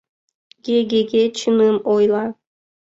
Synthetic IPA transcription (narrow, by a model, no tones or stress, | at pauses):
ɡ̥ʲeɡʲeɡʲet͡ʃʰɨnɯmojlˠɑ